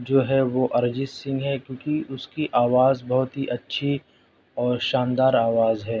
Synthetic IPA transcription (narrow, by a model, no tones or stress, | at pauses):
d͡ʒoːɦɛʋoʔɐɾd͡ʒɪssɪ̃ŋɡɦɛkjõːkiʊskiʔaːʋaːzbɐɦʊt̪ɦiʔɐtːʃʰi | ɔːɾʃaːnd̪aːɾaːʋaːzɦɛː